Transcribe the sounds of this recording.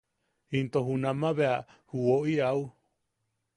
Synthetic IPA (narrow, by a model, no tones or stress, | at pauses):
hint̪oɦunãmãβeahuoʔiau